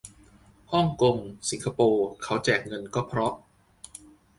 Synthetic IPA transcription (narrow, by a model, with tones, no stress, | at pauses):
hɔ˥˩ŋko˧ŋsi˨˩˦ŋkʰa˧poː˧kʰa˦˥wt͡ɕɛː˨˩k̚ŋɤ˧nkɔː˥˩pʰɾɔ˦˥p̚